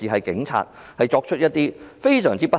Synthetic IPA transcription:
iː˨˩ɦɐ˨jkɪ̰˨˥ŋt͡sʰa̰ː˧t̚ | hɐ˨jt͡ʃɔː˧k̚t͡ʃʰɵ˥t̚jɐ˥t̪̚ːiː˥fe˥jsœː˨˩ŋt͡siː˥pɐ˥

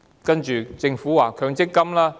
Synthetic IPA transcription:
kɐ˥nt͡ʃyː˨˧t͡sɪ˧ŋfuː˨˥waː˨˩kʰœː˧ŋt͡sɪ˥kːɐ˥mlaː˥

